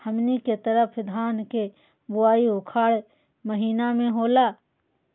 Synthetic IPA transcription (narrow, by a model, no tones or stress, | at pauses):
həmniket̪əɾəpʰd̪ʱaːnke | bʊaːiʊkʰaːɽ | məɦiːnamẽɦoːlaː